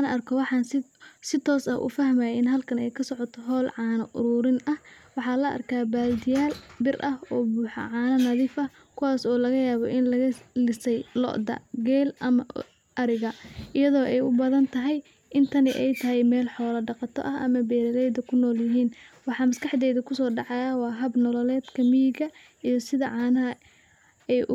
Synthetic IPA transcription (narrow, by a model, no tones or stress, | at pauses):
anɐrkʰɔwɑħɑnsɪsɪt̪ʰɔːsɐ̰hʔʊ̰fɐɦmajɪnɦɐlkʰɐnɛjkʰɐsɔʕɔt̪ʰɔɦɔːlʕɑːnɐʔʊ̰ɾuːɾɪnɐhwɑħɑːlɐʔɐ̰rkʰaːbaːld̪ɪjaːlbɪrʔɐhɔːbuːħɑ̰ʕɑːnɐnɐðiːfɐh | kʰʊwaːsɔːlɐɣɐjaːβɔʔɪnlɐɣɐlɪsɛjlɔ̰ʔd̪ɐ̰ɡɛːlʔɐmɐ | ʔɐɾɪɣɐʔɪjɐðɔːʔɛjʊbɐðɐnt̪ʰɐɦɛj | ʔɪnt̪ʰɐnɪʔɛjt̪ʰɐɦɛjmɛːlħɔːlɐɖɑqɑt̪ʰɔ̰ʔɐɦʔɐmɐbɛːɾɐlɛjd̪ɐkʰʊnɔːljɪɦiːnwɑħɑːmɐskɑħd̪ɛːðɐkʰʊsɔːɖɑʕɑjawɑːɦɐbnɔlɔlɛːd̪kʰɐmijɡɐ | ijɔsɪðɐʕɑːnɐɦɐ | ɛjʔ